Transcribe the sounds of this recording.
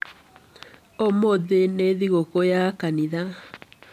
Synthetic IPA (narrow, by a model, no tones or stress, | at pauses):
omoðeneðiɣokojakaniða